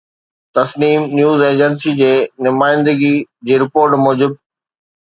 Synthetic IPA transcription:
t̪ɐsniːmnjuːzeːd͡ʑənsid͡ʑeːnʊmaːɪ̃nd̪əɡid͡ʑeːɾɪpoːɾʈmɔːd͡ʑɪb̚

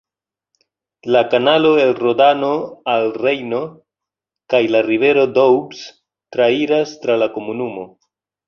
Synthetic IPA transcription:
lakanalo̞e̞lro̞dano̞alre̞jno̞ | kajlarive̞ɾo̞dowbs | tɾaiɾastɾalako̞munumo̞

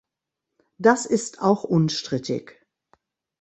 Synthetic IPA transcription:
d̥asɪstʰaʊxʔʊnʃtʁ̥ɪtɪ̰ç

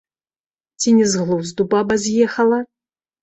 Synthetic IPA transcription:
t͡sʲinʲɛzɣlˠuzd̪ubabɐzʲjɛxɐlˠɐ

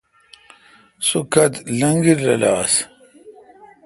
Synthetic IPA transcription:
sukɐt̪lɐŋɡiɾːɐ̰laːs

